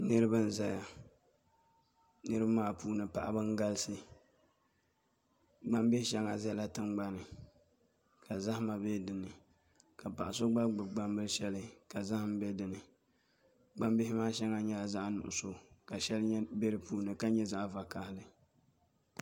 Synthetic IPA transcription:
nɨ˦ɾɨ˦bɨ˦n̩˦za˦ja˨ | nɨ˦ɾɨ˦bmaː˦puː˦nɨ˨pa̰˨ʔa̰˦bɨ˦ŋ˦ɡa˦lsɨ˨ | ɡ͡ba˦mbɪ˦ʃɛ˦ŋa˨zɛ˦la˦tɨ˦mɡ͡ba˦nɨ˨ | kʰa˨za˦hma˨bɛ˦dɨ˨nɨ˨ | ka˨pa˨ʔa˨so˦ɡ͡ba˦ɡ͡bɨ˨ɡ͡ba˦mbɨ˦lʃɛ˦lɨ˦ka˨za˦hɨ˦m˦bɛ˦dɨ˨nɨ˨ | ɡ͡ba˦mbɪ˦hɪ˦maː˦ʃɛ˦ŋa˦ɲɛ˦la˨za˦ʔa˦nʊ̰˨ʔʊ̰˨so˨ka˨ʃɛ˦lɲɛ˦be˦ɾɨ˨puː˦nɨ˨ka˦ɲɛ˦za˦ʔva˨ka˨hɪ˦lɨ˨

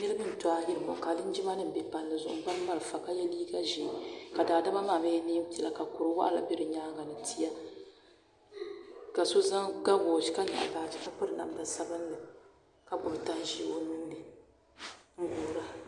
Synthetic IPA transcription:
nɨ˦lɨ˦bɨ˦n˨ta˨˦ji˦ɾɨ˨mɔ̰˨ka˨lɨ˦n˦d͡ʒi˦ma˦nɨ˦m̩˨bɛ˨pa˨nː˦ɨ˨zʊ˨ʔʊ˨ba˦n˦ma˦lɨ˨fa˨ka˦jɛ˦liː˦ɡa˦ʒi˨˦ka˨daː˨da˦ma˦maː˦˨me˦niː˦m˦pɛ˨la˨ka˨kʊ˨ɾɨ˦wa˦ʔla̰˨bɪ˦ɾɨ˨ɲaː˦ɡa˨nɨ˨tʰi˦ja˦ | ka˨so˦za˦ŋɡa˦bo˨d͡ʒi˨˦ka˦na̰˨ʔbaː˨d͡ʒi˨ka˦pɨ˦ɾna̰˨m˨da˨sa˦bɨ˦n˦dɨ˨ | ka˨ɡ͡bʊ˨bta˦n˦ʒi˦o˦nu˦nɨ˨ | ŋ̩˦ɡuː˨ɾa˦

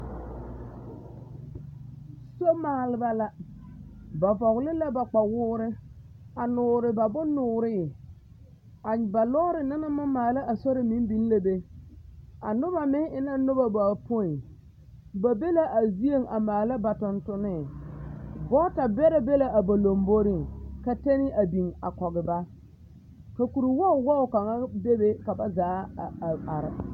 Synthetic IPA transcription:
so˦maː˨lɪ˦ba˦la˦ | ba˨vɔ˨ɣlɪ˦la˦ba˨k͡pa˨wʊː˦ɾɪ˦ | a˨nʊː˨ɾɪ˨ba˨bʊ˦nʊː˨ɾɪ˦˨ | a˨ba˨lɔː˦ɾɪ˨na˦na˦mʊ˦maː˨la˦ʔa˨so˦ɾɪ˨mi˦m˦bi˦n˦la˦be˦ | a˨nʊ˦ba˨mɪ˦ŋɪ˦na˦nʊ˦ba˨ba˨pʊ˦ɪ˨ | ba˨be˦la˦ʔa˨zi˦e˦ŋa˨maː˨la˦ba˨tʊ˨ntʊ˦nɪ˦˨ | bɔ˦ta˨bɛ˦ɾa˦be˦la˨ʔa˨ba˨lo˨mbo˦ɾɪ˦ka˨te˦nɪ˦a˨bi˨ŋa̰˨kɔ˨ɣɪ˨ba˦ | ka˨ku˨ɾi˨wɔ˦˨wɔ˦ʊ˨ka˨ŋa˦be˦be˦ka˨ba˦zaː˨˦˨a˨ɾɪ̰˨

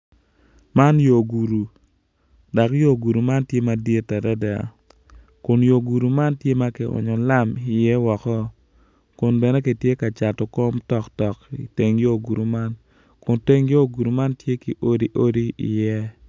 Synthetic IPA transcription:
ma˦njo˨ɡu˨ɾu˨ | da˨kjo˦ɡu˨ɾu˨ma˦ntje˦ma˨dje˦tɛ˨ɾɛ˦dɛ˨a̰˨ | kʊ˨njo˨ɡu˨ɾu˨ma˦ntje˦ma˦ke˨ɔ̰˨ɲɔ˨la˦mɪ˨jɛ˦wɔ˨kɔ˦ | kʊ˨nbɛ˨nɛ˦ke˨tje˦ka˨t͡ʃa˨tɔ˨ko˦mtɔ˨ktɔ˨kḭ˨te˨ŋjo˦ɡu˨ɾu˨ma˦n | kʊ˨nte˦ŋjo˦˨ɡu˨ɾu˨ma˦ntje˦ki˨ʔo˦di˦ʔo˦di˦ḭ˨jɛ˦

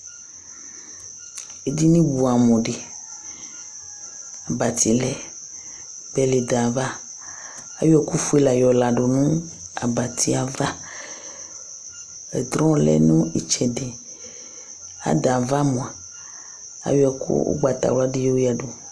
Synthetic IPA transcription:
e˨d̪i˦nĩ˦bu˨a˨mɔ̃˨ɖe˨ | a˨ba˨t̪i˨lɛ˨ | bɛ˦le˨d̪a˨va˦ | a˨˦jɛ˦ku˦fu˦e˦la˨jɔ˨la˨ɖo˨nũ˦ | a̰˨ba˨t̪i˦a˨va˦ | ɛ˨d̪ɾɔ̃˦lɛ̰˦nũ˦i˨t͡ʃɛ˨ɖe˨ | a̰˨˦d̪a˨va˦mɔ̃˨a˨ | a̰˨jo˦ɛ˨kṵ˦o̰˦ɡ͡ba˨t̪a̰˨wo˦a˦ɖe˦jo˦o˦ja˨ɖo˨

